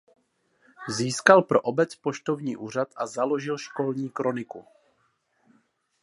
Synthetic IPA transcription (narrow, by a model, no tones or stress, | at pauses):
ziːskalpɾo̞ʔobɛt͡spo̞ʃt̪o̞vɲiːʔuːr̝at̪ʔazalo̞ʒɪlʃko̞lɲiːkɾo̞nɪku